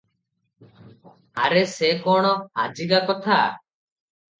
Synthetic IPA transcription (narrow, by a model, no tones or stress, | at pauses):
aɾesekɔɽ̃ɔha̰d͡ʒiɡakɔt̪ʰa